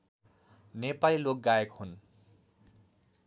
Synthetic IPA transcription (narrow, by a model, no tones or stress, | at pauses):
nepalilok̚ɡajekhun